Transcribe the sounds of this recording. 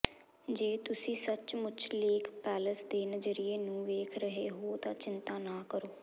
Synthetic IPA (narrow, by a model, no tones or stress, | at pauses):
d͡ʒeːt̪ʊsĩːsət͡ʃmʊt͡ʃʰleːkʰpɛːləsd̪eːnəzəɾɪeːnũːʋeːkʰɾəɦeːɦoːt̪ãːt͡ʃɪnt̪aːnaːkəɾoː